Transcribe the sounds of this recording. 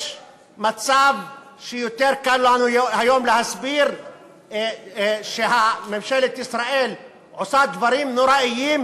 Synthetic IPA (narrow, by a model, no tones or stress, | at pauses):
ʃ | mat͡sav | ʃejot̪eɾkallanuhajo̞mlehasbiɾ | ʃehamemʃelet̪isɾaʔel | ʕosad̪vaɾimnoɾaʔijiːm